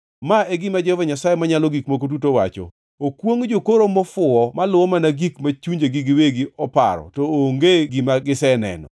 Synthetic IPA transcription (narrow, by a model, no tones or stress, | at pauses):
maeɡimad͡ʒɔvɛɲasajemaɲalɔɡikmok̬ot̬utowa̰t͡ʃɔ̰ | okwoŋd͡ʒokoɾomɔfʊɔmalʊɔmanaɡikmat͡ʃuɲd͡ʒeɡɪɡɪweɡɪɔpa̰ɾɔ̰tɔoŋɡeɡimaɡɪsɛnɛ̰nɔ̰